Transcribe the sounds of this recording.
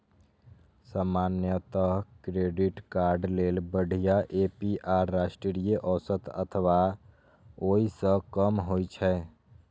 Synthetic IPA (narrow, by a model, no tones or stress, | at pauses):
samaːnjət̪əɦkɾeɖiʈkaɾɖleːlbəɽ̤ʱijaʔepiʔaːɾːasʈɾiɾijəʔɔsət̪ə̰t̪ʰəʋa | oisə̃kəmɦojt͡ʃʰɛ